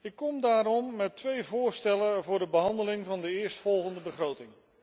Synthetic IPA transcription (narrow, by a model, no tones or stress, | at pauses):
ɪkːɔmdaːɾɔmːɛtʋejvʊːɹstɛləvʊːɹdəbəɦɑndəlɪŋvɑndəɪːɹstfɔlˠχəndəbəχrowtɪŋ